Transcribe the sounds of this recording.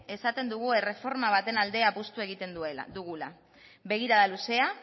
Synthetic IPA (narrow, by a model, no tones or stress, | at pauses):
e̞sat̪e̞nd̪uɣ̞ue̞re̞fo̞ɾmaβ̞at̪e̞nald̪e̞apust̪ue̞ɣ̞it̪e̞nd̪ued̪uɣula | βe̞ɣ̞iɾaðaluse̞a